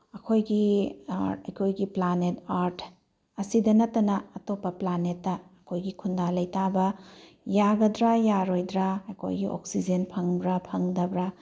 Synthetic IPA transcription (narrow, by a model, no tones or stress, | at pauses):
ɐkʰojɡi | ɐjkʰojɡiplanetaɾtʰ | ɐsidɐnɐtːɐnɐːtopːɐplanetːɐːkʰojɡikʰundalɐjtabɐ | jaɡɐdɾajaɾojdɾaɐkʰo̰jɡḭʔo̰k̚sid͡ʒenpʰɐŋbɾɐpʰɐŋdɐbɾɐ